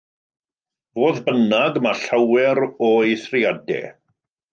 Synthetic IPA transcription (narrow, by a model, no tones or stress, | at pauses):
v̥oːðbənaɡmaɬawɛɾɔiθrɪadɛ̰